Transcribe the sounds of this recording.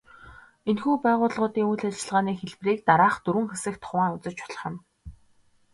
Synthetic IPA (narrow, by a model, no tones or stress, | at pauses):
enxuːpæːʁʊːɮʁʊːt̪iːŋujɮat͡ɕɪ̆ɮʁaːniːxeɮpriːk̚t̪aɾaːχt̪uɾwɘ̆ŋxesɘ̆kt̪χʊwaːʊt͡sə̆t͡ɕpʊ̥ɮ̆χə̆m